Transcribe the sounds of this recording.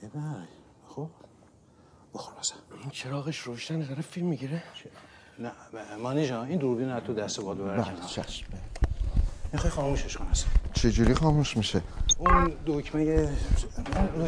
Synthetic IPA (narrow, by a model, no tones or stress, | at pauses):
ebæj | xob | boxoɾbæsæ̥nint͡ʃʰeɾɒːɣeʃroʃd̪æned̪ɒɾefilmːiɟiɾe | næmɒniʒɑːind̪uɾbiunæt̪ʰod̪æst̪ebɒd̪beæɾbæ̰let͡ʃʰæ̰sbæl | mixɑjxɒːmuːʃeʃkʰonæst͡ʃʰe̞d͡ʒuɾixɒːmuʃmiʃeund̪okʰmæje | uno